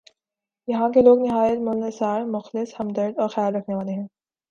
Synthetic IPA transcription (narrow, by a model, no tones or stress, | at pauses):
jɐɦãkeloːɡnɪɦaːjət̪mʊlnesaːɾmʊxlɪshɐmd̪əɾd̪ɔːɾxjaːlɾɐkʰneʋaːleɦɛ̃ː